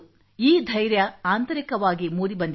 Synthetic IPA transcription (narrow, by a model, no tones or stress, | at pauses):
iːd̪ʱɐjɾjɐaːnt̪ɐɾikɐʋaːɡimuːɾibɐnd̪